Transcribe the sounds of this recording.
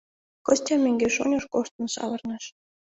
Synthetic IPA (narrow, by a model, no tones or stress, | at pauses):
kɤ̆sʲtʲɑmʲeŋɡʲeʃonʲɤ̆ʃkoʃt̪ɤ̆nʃɑ̰βɤ̆rnɤ̆ʃ